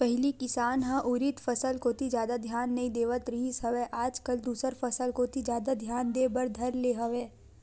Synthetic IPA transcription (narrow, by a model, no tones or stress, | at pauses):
pɛɦlikɪsaːnɦãʔʊɾɪt̪fɐsəlkoːt̪id͡ʒjaːd̪ad̪ʱjaːnːɐɦĩd̪eːʋət̪ɾɪɦisɦɐʋɛʔaːd͡ʒkɐld̪uːsəɾfɐsəlkoːt̪ʰizjaːd̪ad̪ʱjaːnd̪eːbɐɾd̪ʱɐɾleːɦɐʋẽː